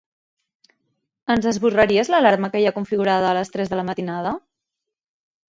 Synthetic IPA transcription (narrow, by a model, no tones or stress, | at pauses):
ənzðəzβurəɾiəzləlaɾməkəjakuɱfiɣuɾað̞əːləst̪ɾɛzðələmət̪inað̞ə